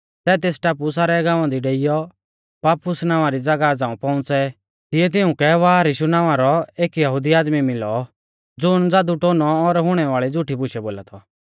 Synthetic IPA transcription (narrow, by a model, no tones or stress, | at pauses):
sɛːt̪eːsʈaːp̬usaːɾɛɡãːʋãd̪iɖeːɪjɔ | paːpʊsnaːʋãɾid͡zɐɡad͡zãːũpɔ̃ʊ̃t͡sɛ | t̪ɪjɛt̪̬ɪʊ̃kɛʋaːɾiʃʊnaːʋãɾɔeːkjɐɦʊd̪iaːd̪mimɪlɔ | d͡zʊnd͡zaːd̪uʈoːnɔːɾɦʊɽ̃ɛʋaːɭid͡zʊʈʰibʊʃɛboːla̰t̪ʰɔ